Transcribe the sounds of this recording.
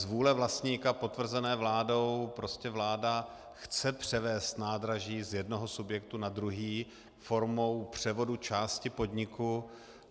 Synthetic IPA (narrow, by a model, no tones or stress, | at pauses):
zvuːlɛvlast̪ɲiːkapo̞t̪vr̩zɛnɛːvlaːdo̞wpɾo̞scɛvlaːda | xt͡sɛpr̝̥ɛvɛːst̪naːd̪ɾaʒiːzjɛdnoɦosubjɛk̚t̪unad̪ɾuɦiː | fo̞ɾmo̞wpr̝̥ɛvo̞dut͡ʃaːscɪpo̞dɲɪku